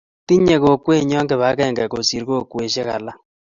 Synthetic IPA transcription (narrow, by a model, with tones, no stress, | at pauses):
ti˦ɲe˨ɣo˨kwe˦ɲɔ˦ŋɡe˨βa˨˦kɛː˦˨ŋɡe˨ko˨si˨ɾɣo˦kwe˨ʃe˦ɣa̰˨la˦